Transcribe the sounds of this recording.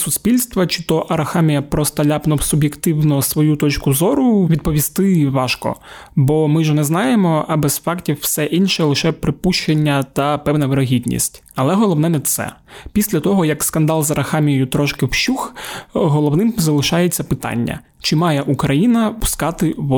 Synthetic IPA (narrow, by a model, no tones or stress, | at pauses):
sʊspʲilʲst̪ʋɐt͡ʃɪt̪ɔʔɐɾɐxɑmʲijɐpɾɔst̪ɐlʲapnɔwsʊbjekt̪ɪwnɔsʋɔjut̪ɔt͡ʃkʊzɔɾʊʋʲid̪̚pɔʋʲist̪ɪʋɑʃkɔ̰bɔmɪʒɛnɛznɑjemɔɐbɛz̥fɑktʲiwːsɛʔinʃɛlˠɪʃɛpɾɪpuʃt͡ʃenʲːɐt̪ɐpɛwnɐʋeɾɐɦʲid̪ʲnʲḭsʲtʲ | ɐlˠɛɦɔlˠɔwn̪ɛnɛt̪sɛ̰pʲisʲlʲɐt̪ɔɦɔjɐkskɐnd̪ɑlˠzɐɾɐxɑmʲijjʊt̪ɾɔʃkɪwʃuxɦɔlˠɔwnɪmzɐlˠɪʃɑjet͡sʲːɐpɪt̪ɑ̰nʲːɐ̰ | t͡ʃɪmɑjɛʔukɾɐjinɐpʊ̥skɑt̪ɪʋɔ